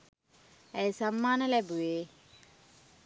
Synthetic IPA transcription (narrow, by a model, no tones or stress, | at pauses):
æjsamːaːnəlæbuʋeː